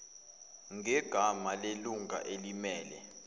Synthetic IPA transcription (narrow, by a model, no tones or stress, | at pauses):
ŋʱɛɡ̥ʱamaleluŋʱa̰ʔelimɛːlɛ